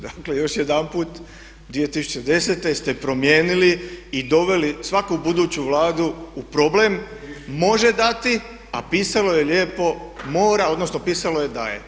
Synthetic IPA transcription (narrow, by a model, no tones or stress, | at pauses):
d̪akle̞jo̞ʃjed̪anpuːt̪ | d̪ʋije̞t̪isut͡ɕe̞d̪e̞set̪e̞st̪e̞pɾo̞mje̞ːniliid̪o̞ʋe̞lisʋakubud̪uːt͡ɕuʋlaːd̪uːpɾoble̞mːo̞ʒe̞d̪at̪i | a̰piːsalo̞je̞ljeːpo̞mo̞ːɾao̞d̪no̞sno̞piːsalo̞je̞d̪a̰jḛ